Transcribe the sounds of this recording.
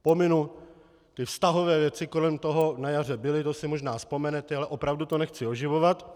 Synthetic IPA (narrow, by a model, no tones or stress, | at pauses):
po̞mɪnu | t̪ɪfst̪aɦovɛːvjɛt͡sɪko̞lɛmt̪oɦo̞najar̝ɛbɪlɪt̪osɪmoʒnaːspo̞mɛnɛt̪ɛalɛʔo̞pɾavdut̪o̞nɛxt͡sɪo̞ʒɪvovat̪